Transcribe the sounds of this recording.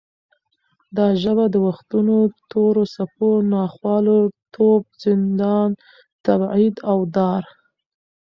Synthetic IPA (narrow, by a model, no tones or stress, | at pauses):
d̪ɑʒəβad̪əwaxt̪unot̪ʰoɾosaponɑxwɑlot̪ʰob̚z̥ɪnd̪ɑn | t̪abʕid̪awd̪ɑɾ